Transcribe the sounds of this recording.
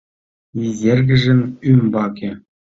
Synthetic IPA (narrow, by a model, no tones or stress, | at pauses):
izʲerɡʲɘ̆ʐɘ̆nymbɑkʲĕ